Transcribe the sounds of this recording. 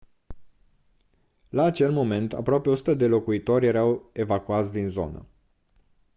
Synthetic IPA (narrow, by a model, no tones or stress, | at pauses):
laːt͡ʃe̞lmo̞me̞nt̪a̰pɾoapeo̞su̥t̪əd̪e̞lo̞kuit̪o̞rʲje̞ɾawe̞vakuat̪sʲd̪inzo̞̰nə̰